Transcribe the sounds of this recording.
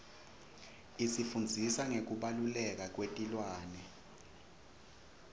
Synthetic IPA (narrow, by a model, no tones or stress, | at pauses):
isifund͡zʱisaŋek̬uɓalulɛk̬ak̬wetʼilwaːnɛ